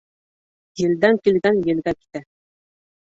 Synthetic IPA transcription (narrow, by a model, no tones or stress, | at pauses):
jɘ̆ld̪æŋkilɡænjɘ̆lɡæki̥t̪æ